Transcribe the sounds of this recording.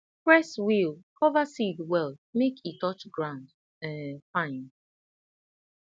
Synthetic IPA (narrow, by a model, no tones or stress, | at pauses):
pɹɛswilkʰɔvasidwɛlˠmekʰitɔt͡ʃɡɹãʊ̃nd | ɛfãɪ̃n